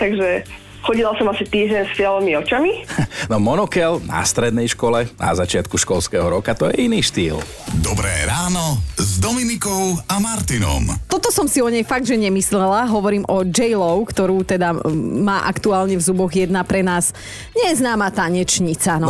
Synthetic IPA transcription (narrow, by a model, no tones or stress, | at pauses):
t̪aɡʒɛ | xɔɟilasɔmasit̪iːʒɟɛɲsfɪɛlɔmiɔt͡ʃaminɔmɔnɔkɛlna̰st̪ɾɛd̪nɛjʃkɔlɛna̰zat͡ʃɪat̪kuʃkɔlskɛɦɔɾɔkat̪ɔjɛiniːʃt̪ḭːl | d̪ɔbɾɛ̰ːɾaːnɔzd̪ɔminikɔʊamaɾt̪inɔ̰mt̪ɔt̪ɔsɔmsiɔɲɛjfaɡ̚d̪ʒɛɲɛmislɛlaɦɔʋɔɾiːmʔɔd͡ʒɛjlɔʊkt̪ɔɾuːt̪ɛd̪amaːʔakt̪uaːlɲɛvzubɔɣjɛd̪napɾɛnaːs | ɲɛjɛznaːmat̪aɲɛt͡ʃɲit͡sanɔ